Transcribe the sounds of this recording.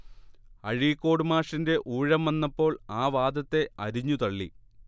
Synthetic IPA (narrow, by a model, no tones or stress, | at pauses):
ɐɻikːo̞ːɽɨmaːʂinde̞ʔuːɻɐmʋɐnːɐpːo̞ːɭaːʋaːd̪ɐt̪ːe̞ɐɾiɲːut̪ɐɭːi